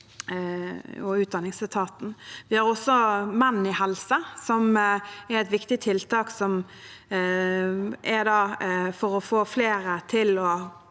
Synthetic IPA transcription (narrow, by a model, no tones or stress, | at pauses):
ɔʉːt̪̚d̪ɑnːɪŋsɪt̪ʰɑːt̪n̩ʋɪhɑɾɔsːɔmɛnːn̩ɪhɛlsəsɔmæɾɛt̪ʋɪkt̪ɪt̪ʰɪlt̪ʰɑːksɔm | ʔæɾd̪ɑːfɔɾɔfoːfleːɾət̪ʰɪlɔ